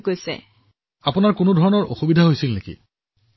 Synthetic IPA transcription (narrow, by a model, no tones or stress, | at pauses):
ɡojsɛ̰ | apunaɹkʊnodʱɔɹɔnɔɹʔo̰xubidʱaɦojsilnekḭ